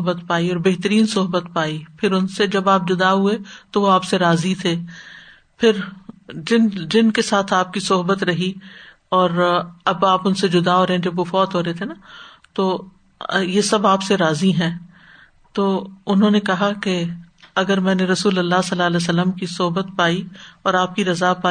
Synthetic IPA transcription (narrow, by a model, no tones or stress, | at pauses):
ɦbət̪paːiɔːɾbeɦt̪əɾiːnsʊɦbət̪̚paːipʰɪɾʊnsed͡ʒɐbaːp̚d͡ʒʊd̪aɦuet̪oʋoaːpseɾaːzit̪ʰeː | pʰɪɾd͡ʒɪnd͡ʒɪnkesaːt̪ʰaːp̚kisʊɦbət̪ɾɐɦi | ɔːɾɐbaːpʊnsed͡ʒʊd̪aɦoːɾɦẽd͡ʒɐbʋofɔːt̪ɦoːɾɐet̪ʰena | t̪oː | jesɐbaːpseɾaːziɦɛ̃ː | t̪oːʊnɦõːnekɐɦakeɐɡəɾmɛ̃ːneɾɐsuːlɐlːasɐlːaːlɛs̬ələmkisʊɦbət̪̚paːiɔːɾaːp̚kiɾɐzapaː